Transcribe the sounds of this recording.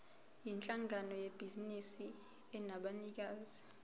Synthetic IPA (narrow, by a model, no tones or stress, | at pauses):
jint͡ɬʼaŋʱanɔjeb̥ʱizinisi | ɛnaɓanik̬aːzi